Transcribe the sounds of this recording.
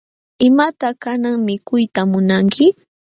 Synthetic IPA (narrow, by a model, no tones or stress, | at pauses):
ɪmat̪akanaŋmɪkʊjt̪amʊnaŋkʰɪ